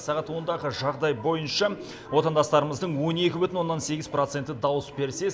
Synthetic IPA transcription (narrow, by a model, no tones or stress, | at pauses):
sɑʁɑt̪wo̞nd̪ɑʁəʒɑʁd̪ɑjbo̞jənʃɑ | wo̞t̪ɑnd̪ɑst̪ɑɾəməzd̪əɴwo̞ne̞kʲɪbʏt̪ɪnwonːɑnse̞ɡʲɪzprot̪se̞nt̪ːɪd̪ɑwəsbe̞ɾse̞